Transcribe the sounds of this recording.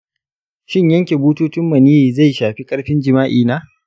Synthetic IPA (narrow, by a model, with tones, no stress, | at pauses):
ʃɪ˦ɲjɐ˦ŋkʲe˨buː˦tuː˦tʊ˦mːɐ˨niː˦˨za˦˨jʃaː˨ɸi˦kʼɐ˦ɽɸɪ˦nd͡ʒɪ˨maː˦ʔiː˨naː˦